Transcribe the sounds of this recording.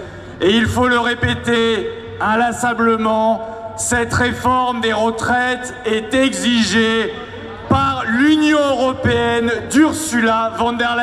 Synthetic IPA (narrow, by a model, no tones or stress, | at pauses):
eilfoləʁepɛt̪e | alasɑ̃bləmɑ̃ | sɛt̪ʁefɔʁmd̪eʁət̪χɛt̪ | ɛt̪ɛɡziʒe | paʁlynjɔ̃øʁɔpeɛnd̪yʁsylavɑ̃d̪ɛʁla